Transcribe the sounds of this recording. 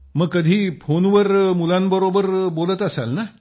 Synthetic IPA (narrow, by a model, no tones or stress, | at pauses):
məɡkːəd̪ʱiːpʰonʋəɾmulanbəɾobəɾbolət̪əsalna